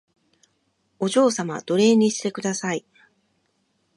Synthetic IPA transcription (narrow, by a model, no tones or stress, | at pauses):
o̞ʑo̞ːsama̰d̪̥o̞ɾe̞ːɲ̟iɕi̥t̪e̞kɯ̟d̪asai